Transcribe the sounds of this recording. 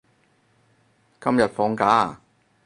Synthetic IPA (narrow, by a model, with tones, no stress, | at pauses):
kɐ˥mjɐ˨t̚fɔː˨˥ŋkaː˨˥